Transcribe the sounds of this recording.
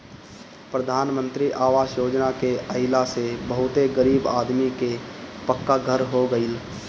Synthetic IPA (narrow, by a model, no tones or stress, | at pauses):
pɾəd̪ʱaːnmə̃nt̪ɾiʔaːʋaːʃjoːd͡ʒnakeəɪlasebəɦʊt̪eɡəɾiːba̰ːd̪mikepəkːaɡʱəɾɦoɡəɪl